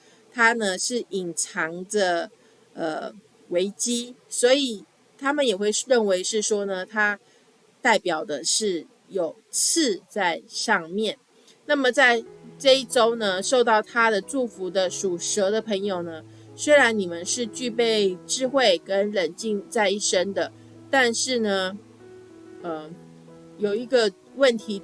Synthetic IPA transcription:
t̪ʰa˥nə˨ʂɻ̩˥˩i˨˩ŋʈ͡ʂʰɑ˧˥ŋd̪ə˧ | ə˩ | we˧˥ɪt͡ɕi˥swɔ˧˥i˨˩ | t̪ʰa˥mə˨njɛ˨˩xwe˥˧ɪɻə˥˩nwe˧˥ɪʂɻ̩˥˩ʂwɔ˥nə˨˩t̪ʰa˥ | t̪a˥˩ɪpjɑ˨˩ʊd̪ə˩ʂɻ̩˥˩ | jo˨˩ʊt͡s̩ʰ˥˧t͡sa˥˧ɪʂɑ˥˧ŋmjɛ˥˩n | na˥˩mə˨˩t͡sa˥˧ɪʈ͡ʂɤ˥˧i˥˩ʈ͡ʂo˥ʊnə˨ʂo˥˧ʊt̪ɑ˥˩ʊt̪ʰa˥d̪ə˨ʈ͡ʂu˥˩fu˧˥d̪ə˧ʂu˨˩ʂə˧˥d̪ə˨pʰə˧˥ŋjo˨˩ʊnə˦ | swe˥ɪɻa˧˥nni˨˩mə˨nʂɻ̩˥˧t͡ɕy˥˧pe˥˩ɪʈ͡ʂɻ̩˥xwe˥˩ɪkə˦˥nɻə˨˩nt͡ɕi˥˧ŋt͡sa˥˧ɪi˥˩ʂə˥nd̪ə˨ | t̪a˥˧nʂɻ̩˥˩nə˩ | ə˩ | jo˨˩ʊi˧˥ɡə˧ | wə˥˩nt̪ʰi˧˥

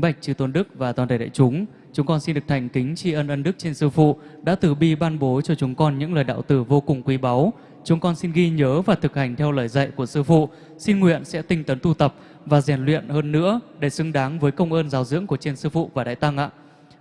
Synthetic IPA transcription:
ɓa˨˩jk̟̚t͡ɕɨ˧˩t̪o˨˦nɗɨ˦˥k̚vaː˨˩t̪waː˨˩nɗ̪ə˨˧˩ɗa̰ː˧˨jt͡ɕʊ˨˦ŋ͡m | t͡ɕʊ˨˦ŋ͡mkɔ˧nsi˧nɗɨ˨˩ək̚t̪ʰjŋ̟kï˨˦ŋ̟t͡ɕi˧ʔə˧nʔə˧nɗɨ˦˥k̚t͡ɕe˧nsɨ˧fṵ˧˨ɗa̰ː˧˥t̪ɨ˧˩ɓi˧ɓaː˧nɓo˨˦t͡ɕɔ˧t͡ɕʊ˨˦ŋ͡mkɔ˧nɲɨ̰˧˥ŋləː˨˩jɗa̰ː˧˨wt̪ɨ˧˩vo˧kʊ˨˩ŋ͡mkwi˨˦ɓa˨˦w | t͡ɕʊ˨˦ŋ͡mkɔ˧nsi˧nɣi˧ɲəː˨˦vaː˨˩t̪ʰɨ˨˩k̚ha˨˩ŋ̟t̪ʰɛ˧wləː˨˩jza̰˧˨jku˧˩əsɨ˧fṵ˧˨ | si˧nŋwḭ˧˨ənsɛ̰˧˥t̪ï˧ŋt̪ə˨˦nt̪u˧t̪ə˨˩p̚ | vaː˨˩zɛ˧˩nlwḭ˧˨ənhəː˧nːɨ̰˧˥əɗe˧˩sɨ˨˧ŋɗaː˨˦ŋvəː˨˦jkə˧wŋ͡mʔəː˧nzaː˨˦wzɨ̰˧˥əŋku˧˩ət͡ɕe˧nsɨ˧fṵ˧˨vaː˨˩ɗa̰˧˨jt̪a˧ŋʔa̰ː˧˨

